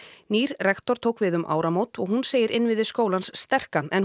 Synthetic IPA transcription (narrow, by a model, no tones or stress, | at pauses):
niːɾrɛxt̪ɔɾ̥t̪ʰoːwkvɪðʏmʔa̰ːwɾamoːwt̪ɔɣhunseːjɪɾʔɪnːvɪðɪskoːwlansːt̪ɛr̥kaɛn